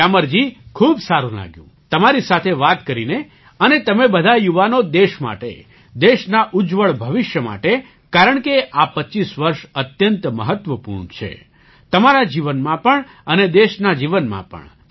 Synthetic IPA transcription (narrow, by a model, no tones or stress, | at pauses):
aməɾd͡ʒikʰubsaɾũla̰ɡjṵ̃ | t̪əmaɾisat̪ʰeʋat̪kəɾine | ənet̪əmebəd̪ʱajuʋanod̪eʃma̰ʈḛ | d̪eʃnaʔud͡ʒʋəɭbʱəʋɪʃjəma̰ʈe | kaɾəɳkeapətːt͡ʃisʋəɾʃət̪jənt̪mə̰ɦət̪ʋəpṵɾɳt͡ʃʰḛ | t̪əmaɾad͡ʒiʋənmãpəɳ | əned̪eʃnad͡ʒiʋənmã̰pə̰ɳ